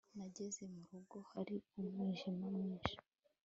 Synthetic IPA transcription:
naɟe̞zemuɾuɡo̞haɾiumŋiːʒimumŋiːnʃḁ

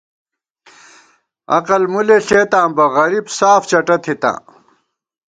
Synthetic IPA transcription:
ɐ̰qɐlmuleɬeːt̪ãːmbɐɣɐɾibsaːft͡ɕɐʈɐt̪ʰit̪ã̰ː

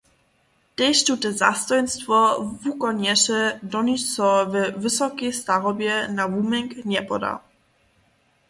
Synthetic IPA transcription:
d̥ɛʃtutəza̰stɔjnstfɔvukɔnjɛʃɛdɔnisɔvɛvɪsɔkestaʁɔbjɛnavumɛŋknɛpɔda̰

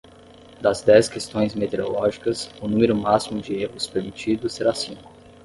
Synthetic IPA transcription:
d̪ɐzd̪ɛskest̪õj̃zmet̪eɾo̰lɔʒikɐsʊnũmeɾʊmasimʊd͡ʒɪeɦʊspemit͡ʃid̪ʊseɾasĩkʊ

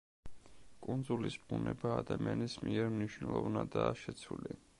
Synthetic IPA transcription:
kʼund̪zulisbunɛbaːd̪amianismiɛɾmniʃwnɛlˠɔvnad̪aːʃɛt̪sʰwuli

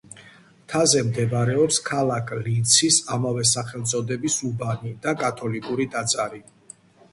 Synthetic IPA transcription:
t̪ʰazɛmd̪ɛbaɾɛɔpskʰalakʰlit̪sʰisamavɛsaχɛlˠt̪sʼɔd̪ɛbisubanid̪akʼat̪ʰɔlikʼuɾid̪at̪sʼaɾi

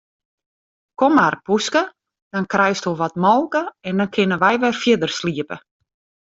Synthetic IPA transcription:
kɔmarpuskə | d̥ɔnkrɛjstoʋɔtmɔlˠkəɛndɔnkʰɪnəʋɛjʋɛrfjɪdərsliəpə̰

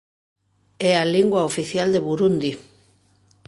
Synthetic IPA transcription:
ɛaliŋɡwaofiθjald̪eβuɾund̪i

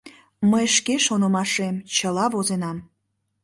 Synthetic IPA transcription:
məjʃkeʃonə̆mɑʃemt͡ɕəlɑvozenɑm

